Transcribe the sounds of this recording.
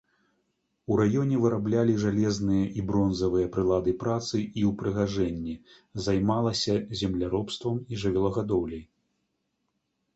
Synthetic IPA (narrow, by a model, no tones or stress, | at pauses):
uɾajɔnʲɛvɨɾablʲalʲiʐalʲɛznɨjɐʔibɾɔnzɐvɨjɐpɾɨlˠad̪ɨpɾat̪sɨʔiwpɾɨɣaʐɛnʲːi | zajmalˠɐsʲɐzʲɛmlʲaɾɔpst̪vɐmiʐɨvʲɛlˠɐɣad̪ɔwlʲɛj